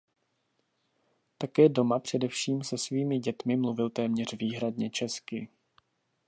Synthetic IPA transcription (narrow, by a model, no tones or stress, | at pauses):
t̪akɛːdo̞mapr̝̥ɛdɛfʃiːmsɛsviːmɪɟɛt̪mɪmluvɪlt̪ɛːmɲɛr̝̥viːɦɾadɲɛt͡ʃɛskɪ